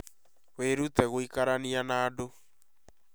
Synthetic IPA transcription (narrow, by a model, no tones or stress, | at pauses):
weɾutɛɣoikaɾanianaːdo